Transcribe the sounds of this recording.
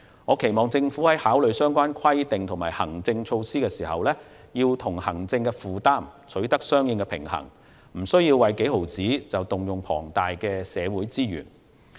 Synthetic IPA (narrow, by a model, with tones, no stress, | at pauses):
ŋɔː˨˧kʰe˨˩jmɔː˨ŋt͡sɪ˧ŋfu˨˥hɐ˨˥jhaː˨˥wlɵ˨ɥsœː˥ŋkʷaː˥nkʰɐ˥jt̪ɪ˨ŋt̪ʰʊ˨˩ŋmaː˨˩jhɐ̰˨˩ŋt͡sɪ˧ŋt͡ʃʰo˧wsiː˥kɛː˧siː˨˩hɐ̰˨wlɛː˥ | jiː˧wt̪ʰʊ˨˩ŋhɐ˨˩ŋt͡sɪ˧ŋkɛ˧fuː˨t̪aː˥mt͡sʰɵ˨˥ɥt̪ɐ˥k̚sœː˥ŋjɪ˨˧ŋkɛː˧pʰɪ̰˨˩ŋhɐ̰˨˩ŋ | m̩˨˩sɵ˥ɥjiː˧wːɐ˨˧jke˨˥jho˨˩wt͡siː˨˥t͡sɐ˨wt̪ʊ˨ŋjʊ˨ŋpʰɔː˨˩ŋt̪aː˨jkɛː˧sɛː˨˧wuː˨˥jt͡siː˥jy̰ː˨˩n